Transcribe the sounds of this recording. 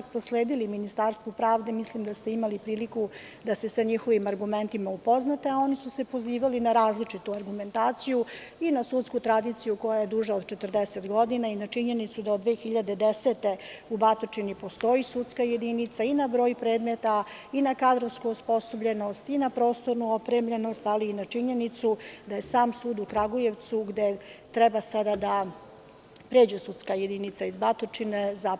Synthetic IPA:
pɾosleːd̪iliminist̪aːɾst̪ʋopɾaːʋd̪e̞mislimd̪ast̪e̞imalipɾiːliku | d̪ase̞saɲixo̞ʋimaɾɡument̪imaupo̞znat̪eao̞nisuse̞po̞ziːʋalinaɾaːzlit͡ʂit̪uaɾɡume̞nt̪aːt̪siju | inasut̪skut̪ɾad̪it̪sijuko̞jajed̪uʒaod̪t͡ʃet̪r̩d̪eset̪ɡo̞d̪inainat͡ʂiɲe̞nit̪sud̪aod̪ʋe̞ːxiʎad̪e̞d̪eset̪e̞ubat̪ot͡ʃinipo̞st̪o̞isut̪skaje̞d̪init̪sainabɾo̞ːjpɾe̞ːd̪met̪a | inakad̪ɾo̞ʋskuospo̞sobʎe̞no̞st̪inapɾo̞ːst̪o̞ɾnuopɾemʎe̞no̞st̪aliːnat͡ʂiɲe̞nit̪sud̪aje̞saːmsuːd̪ukɾaɡoje̞ʋt̪suɡd̪et̪ɾɛbasad̪ad̪a | pɾeːd͡ʑesut̪skaje̞d̪init̪saizbat̪ot͡ʂineza

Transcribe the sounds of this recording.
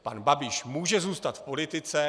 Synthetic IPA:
panbabɪʃmuːʒɛzuːst̪at̪fpo̞lɪt̪ɪt͡sɛ

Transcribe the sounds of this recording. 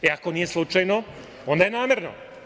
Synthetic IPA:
iakonijeslˠut͡ʃajno | ond̪ajenaːmʲjeɾno̰

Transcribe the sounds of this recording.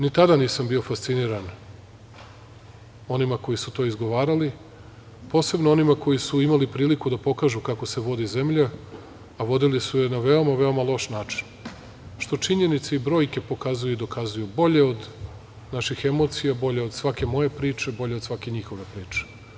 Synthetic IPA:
nit̪ad̪aniːsambio̞fast̪siniːɾan | o̞nimako̞jisut̪o̞izɡo̞ʋaːɾali | po̞ːse̞bnoo̞nimako̞jisuimalipɾiːlikud̪apo̞kaːʒukako̞se̞ʋo̞d̪ize̞mʎaː | ʋo̞d̪ilisuje̞naʋeo̞maʋe̞omalˠo̞ʃnaːt͡ʃi̥n | ʃt̪o̞t͡ʂiɲe̞nit̪seibɾo̞ːjke̞po̞kazujuid̪o̞kʰazujubo̞ʎe̞o̞d̪ | naʃixemo̞ːt̪sijabo̞ʎe̞o̞d̪sʋake̞mo̞je̞pɾiːt͡ʂe̞bo̞ʎe̞od̪sʋakeɲixo̞ʋe̞pɾiːt͡ʂe̥

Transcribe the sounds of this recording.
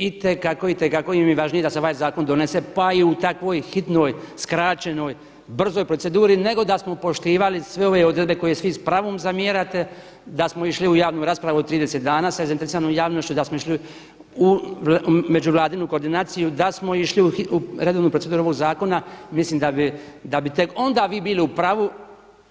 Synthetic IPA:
it̪ekakoit̪ekakojimiʋaʒnijed̪aseoʋaːjzaːko̞nd̪o̞ne̞se̞paiut̪akʋo̞ːjxit̪no̞jskɾaːt͡ɕe̞no̞ːj | br̩zo̞jpɾose̞d̪uːɾine̞ɡo̞d̪asmo̞po̞ʃt̪iːʋalisʋe̞o̞ʋe̞od̪ɾebe̞ko̞jesʋispɾaʋoːmzamjeɾat̪e̞ | d̪asmoiʃliujaːʋnuːɾaːspɾaʋuot̪ɾiːd̪e̞se̞t̪d̪aːnaːsazaint̪eɾesiɾanomjaːʋno̞ʃt͡ɕud̪asmoiʃli | u | me̞d͡ʒuʋlˠaːd̪inukoɾd̪inaːt̪sijud̪asmo̞iʃliuiuɾe̞d̪oʋnuːpɾoe̞d̪uːɾuoʋo̞ɡzaːko̞namisliːmd̪abid̪abit̪eko̞nd̪aːʋiːbiːliupɾaʋu

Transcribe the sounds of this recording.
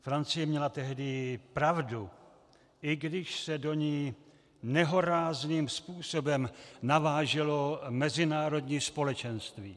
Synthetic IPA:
fɾant͡sɪjɛmɲɛlat̪ɛɦdɪpɾavdu | ʔɪɡdɪʃsɛdo̞ɲiː | nɛɦo̞ɾaːzniːmspuːso̞bɛmnavaːʒɛlo̞mɛzɪnaːɾo̞dɲiːspo̞lɛt͡ʃɛnst̪viː

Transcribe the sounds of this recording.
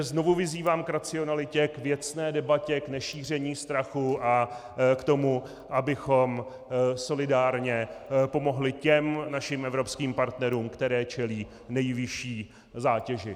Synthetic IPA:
znovuvɪziːvaːmkɾat͡sɪo̞nalɪcɛkvjɛt͡snɛːdɛbacɛknɛʃiːr̝ɛɲiːst̪ɾaxuʔa | kt̪o̞mu | ʔabɪxo̞m | so̞lɪdaːɾɲɛpo̞mo̞ɦlɪcɛmnaʃɪmʔɛvɾo̞pskiːmpaɾt̪nɛɾuːmkt̪ɛɾɛːt͡ʃɛliː | nɛjvɪʃiː | zaːcɛʒɪ

